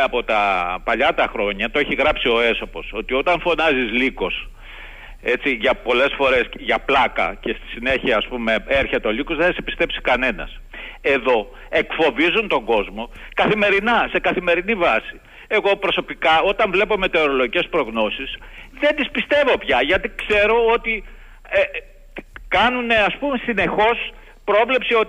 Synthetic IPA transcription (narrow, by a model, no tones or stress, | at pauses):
ɐpo̞t̪ɐpɐʎɐt̪ɐxɾo̞ɲɐt̪oeçiɣɾɐpsio̞e̞so̞po̞so̞t̪io̞t̪ɐɱfo̞nɐzizliko̞s | e̞t͡siʝɐpo̞le̞sfo̞ɾe̞sʝɐplɐkɐ̰ce̞st̪i̥sine̞çiɐːspume̞eɾçet̪eo̞liko̞zðenɐsepi̥st̪e̞psi̥kɐne̞nɐ̰se̞ðo̞ | e̞kfo̞vizunt̪o̞ŋɡo̞zmo̞ | kɐθime̞ɾinɐse̞kɐθime̞ɾinivɐsi | e̞ɣo̞pɾo̞so̞pikɐo̞t̪ɐɱvle̞pome̞t̪e̞oɾolo̞ʝice̞spɾo̞ɣno̞sisðend̪ispist̪e̞vo̞pçɐʝɐt̪ikse̞ɾo̞ot̪i | e | kɐnune̞ɐspume̞sine̞xo̞s | pɾo̞vle̞psio̞